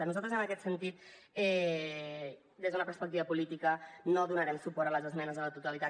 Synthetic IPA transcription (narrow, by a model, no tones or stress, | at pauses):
ənuzalˠt̪ɾəzənəkɛt̪sənt̪it̪̚ | ɛ | d̪ezðunəpəɾspək̚t̪iβəpulit̪ikənoðunəɾɛmsupɔɾələzəzmɛnəzələt̪ut̪əlit̪a